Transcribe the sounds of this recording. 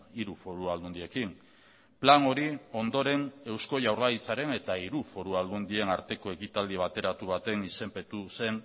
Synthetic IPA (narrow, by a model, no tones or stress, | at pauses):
iɾufo̞ɾuald̪und̪ie̞kin | plano̞ɾio̞nd̪o̞ɾe̞ne̞wsko̞ʝawɾlait͡saɾe̞ne̞t̪aiɾufo̞ɾuald̪und̪ie̞naɾt̪e̞ko̞e̞kit̪ald̪iβ̞at̪e̞ɾat̪uβ̞at̪e̞nise̞mpe̞t̪use̞n